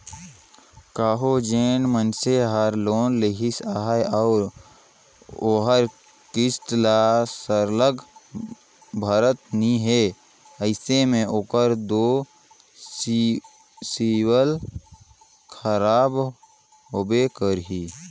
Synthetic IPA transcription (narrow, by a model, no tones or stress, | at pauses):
kaːɦod͡ʒeːnmənseɦaːɾloːnleɦɪsaːɦjɔːɾ | oːɦəɾ | kɪsʈ̪lasəɾləɡ | bʱaːɾət̪̚niɦeː | əɪsemẽʔoːkəɾd̪oː | siwəl | kʰəɾaːb | ɦobekəɾɦiː